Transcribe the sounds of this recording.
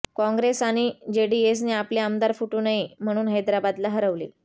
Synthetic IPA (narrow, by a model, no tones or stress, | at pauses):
kɔ̃ŋɡɾesaɽ̃id͡ʑeɽies̬niːapljeəmd̪aɾfuʈuːnaɦim̤əɽ̃uːnɦəjd̪ɾabad̪laɦəɾəʋle